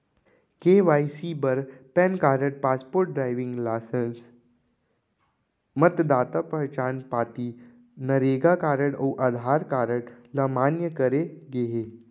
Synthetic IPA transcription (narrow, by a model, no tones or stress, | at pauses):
keʋajsibəɾpɛnkaɾəʈ̚paspoɾʈ̚ɖɾajʋiŋɡlasəns | mət̪d̪at̪apəɦt͡ɕanpat̪iː | nəɾeɡakaɾəɽoʔəd̪ʱaɾkaɾəɽ | ləmanjəkəɾeɡeɦe